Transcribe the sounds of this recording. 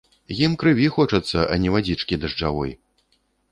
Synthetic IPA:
jimkɾɨvʲixɔt͡ʂɐt̪sːɐʔɐ̰nʲɛvad͡zʲit͡ʂkʲid̪ɐʐd͡ʐavɔ̰j

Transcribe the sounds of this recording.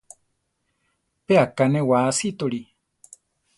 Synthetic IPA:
peakanẽwaːsit̪oɺi

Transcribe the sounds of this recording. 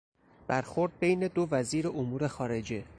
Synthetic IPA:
b̥æɾxo̞ɾd̪̚be̞jne̞d̪o̞væziːɾe̞ʔomuːɾe̞xɒːɾe̞d͡ʒe̞

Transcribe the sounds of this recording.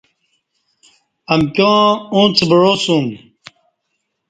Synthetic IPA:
ɐmkõːũːnt͡sʰbəɻoːsũm

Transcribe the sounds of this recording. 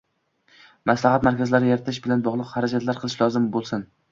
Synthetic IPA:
maslahat̪maɾkʲazlaɾɪjeɾɪt̪ʰɪʃbɪlanbɒʁlˠɨqhaɾad͡ʒat̪laɾqʰɨlˠɪʃlɒzɪmbolˠsɪn

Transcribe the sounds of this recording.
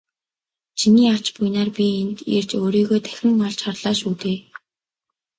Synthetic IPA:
t͡ɕʰiniːat͡ɕpujnaːrpʲient̪ḛrt͡ɕoːɾiːɣoːt̪ʰæ̥xʲɪ̆ŋɔɮt͡ɕχarɮ̥aːʃuːt̪eː

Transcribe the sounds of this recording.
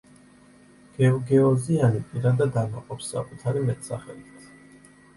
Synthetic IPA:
ɡ̥ɛɔɡɛɔzianipʼiɾad̪ad̪ana̰qʼɔpsːa̰kʼut̪ʰaɾimɛt̪ʰsaχɛlit̪t̪ʰ

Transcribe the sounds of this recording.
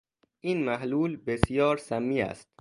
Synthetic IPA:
ʔiːnmæhluːlbesijɒːɾsæmːiːæ̰st̪̚

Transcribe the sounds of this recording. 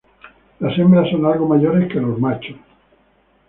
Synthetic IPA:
lasemblasonalɡomaʎoɾeskelozmat͡ʃos

